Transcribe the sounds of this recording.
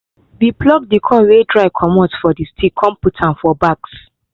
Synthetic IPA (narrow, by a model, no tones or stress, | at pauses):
biplɔk̚dikʰɔ̃nwedɹaɪkʰɔmɔtfɔdistʰikʰɔ̃mputʰãnfɔbaks